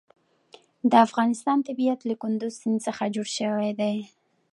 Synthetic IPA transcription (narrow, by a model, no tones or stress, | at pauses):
d̪əafɣɑnɪst̪ɑnt̪abijat̪lakʊnd̪ʊzsɪnsəxad͡ʒoɽʃəwajd̪aj